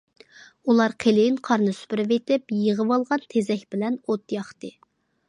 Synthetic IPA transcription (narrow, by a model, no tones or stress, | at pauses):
ulˠɑɾqʰelɪɪnqʰɑɾnɨsy̥pɪɾɪvet̪ɪpjəʁəwɑlˠʁɑnt̪ʰezɛkʲbɪlɛnot̪jɑχt̪ɨ